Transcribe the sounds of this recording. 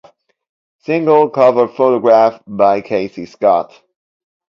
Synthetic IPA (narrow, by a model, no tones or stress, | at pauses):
sɪ̃ŋɡəl̩ˠkʰʌvə˞d̥foʊɾɔɡɹæfbaɪkʰeɪsiskɑ̰t